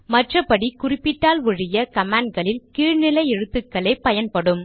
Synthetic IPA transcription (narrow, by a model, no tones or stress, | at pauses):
mɐʈrɐpːɐɽikʊrɪpːɪʈːaːlʋʊɻɪjɐkɐmaːɳɖ̚ɡɐɭɪlkiːɻnɪlɐɪɛɻɯt̪ːɯkːɐɭɐɪpɐjɐnpɐɽɯm